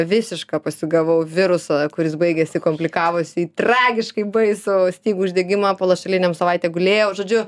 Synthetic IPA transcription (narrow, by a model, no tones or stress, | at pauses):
ʋʲɪsʲɪʃkɑpɐsʲɪɡɐʋɐʊʋʲɪɾʊsɑkʊɾʲɪs̬bɐɪɡʲɛsʲɪkomʲpʲlʲɪkɑːʋosʲiːt̪rɑːɡʲɪʃkɐɪbɐɪsoːsʲt̪ʲiːɡuːʒʲd̪ʲeɛɡʲɪmɑːpoːlˠɐʃʲɐlʲɪnʲɛmsɐʋɐɪt̪ʲɛːɡʊlʲeːjɛʊʒoːd͡ʒʲʊ